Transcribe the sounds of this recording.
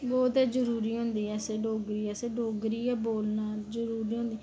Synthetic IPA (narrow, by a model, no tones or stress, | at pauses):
bɔːt̪ɛːd͡ʒəɾuːɾiːɦõːnd̪iːɛːseːɖoːɡɾiːɛːseːɖoːɡɾiːɛːboːlnaːd͡ʒəɾuːɾiːɦõːnd̪i